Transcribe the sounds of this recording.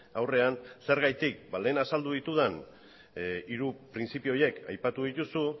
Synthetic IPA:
awre̞anse̞ɾɣajt̪ik̚bale̞ːnasald̪uðit̪uð̞en | iɾupɾint͡sipio̞je̞ka̰jpat̪uðit̪usu

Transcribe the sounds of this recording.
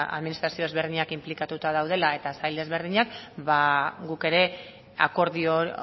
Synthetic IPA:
a̰ðminist̪ɾasioe̞zβe̞ɾðiɲakimplikat̪ut̪að̞awð̞e̞lae̞t̪asajle̞zβe̞ɾð̞iɲakbaɡuke̞ɾe̞ | a̰ko̞ɾðio

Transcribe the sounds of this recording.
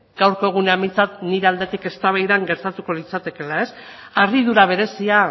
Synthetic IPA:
ɡ̥awɾko̞e̞ɣ̞uneamint͡sat̪niɾe̞ald̪e̞t̪ike̞st̪aβajðaŋɡe̞ɾt̪at̪uko̞lit͡sat̪e̞ke̞lae̞s | ariðuɾaβ̞e̞ɾe̞sia

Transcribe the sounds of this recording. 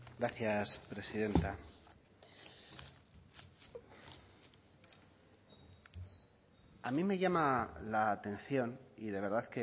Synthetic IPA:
ɡɾaθjaspɾe̞siðe̞nt̪a | amĩme̞ʝamalaːt̪e̞nθjo̞niðe̞β̞e̞ɾðaðke

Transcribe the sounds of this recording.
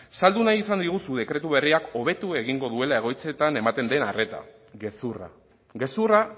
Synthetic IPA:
sald̪unajisand̪iɣ̞usuðe̞kɾe̞t̪uβ̞e̞riako̞β̞e̞t̪ue̞ɣ̞iŋɡo̞ðue̞lae̞ɣ̞o̞jt͡se̞t̪ane̞mat̪e̞nd̪e̞nare̞t̪a̰ | ɣe̞sura̰ | ɣe̞sura

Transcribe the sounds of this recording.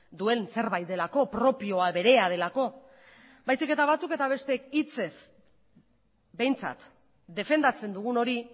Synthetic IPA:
d̪ue̞nse̞ɾβajt̪̚d̪elako̞pɾo̞pio̞aβe̞ɾe̞að̞e̞lako̞ | bajsike̞t̪aβ̞at͡suke̞t̪aβ̞e̞st̪ekit͡se̞s | be̞jnt͡sa̰t̪ | d̪e̞fe̞nd̪at͡se̞nd̪uɣ̞uno̞ɾi

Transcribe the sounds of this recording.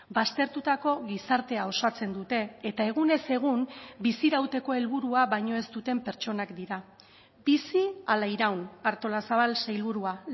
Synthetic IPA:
bast̪e̞ɾt̪ut̪ako̞ɣisaɾt̪e̞ao̞sat͡se̞nd̪ut̪e̞ːt̪ae̞ɣune̞se̞ɣ̞umbisiɾawt̪e̞ko̞e̞lβuɾuaβajɲo̞e̞st̪ut̪e̞mpe̞ɾt͡ʃo̞nakd̪iɾa | bisialaiɾawnaɾt̪o̞lasaβ̞alsejlβ̞uɾua

